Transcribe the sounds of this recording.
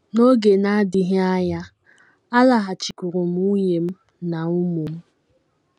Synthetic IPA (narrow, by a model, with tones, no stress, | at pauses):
no˦ɡe˨na˦a˦dɪ˨ɦe˦a˦ja˦ | a˦la˨ɦa˨t͡ʃi˨ku˨ɾʊ˨m̩˦u˦ɲe˨m̩˦ | na˨u˦mu˨m̩˦